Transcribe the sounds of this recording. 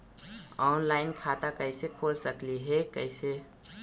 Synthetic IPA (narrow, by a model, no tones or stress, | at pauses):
ɔːnlaːɪnkʰaːt̪akəɪsekʰoːlsəkliɦɛkəɪse